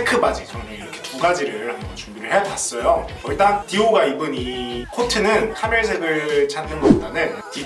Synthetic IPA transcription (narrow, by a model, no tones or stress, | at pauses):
ekʰɯbad͡ʑit͡ɕʌneiɾʌkʰe̞tuɡad͡ʑiɾɯɭhambʌnt͡ɕumbiɾɯɭhe̞jadas͈ʌjoʌɭt͈antioɡaibɯnikʰotʰɯnɯnkʰamjʌɭs̬ʰeɡɯɭt͡ɕʰandɯnɡʌpdanɯnti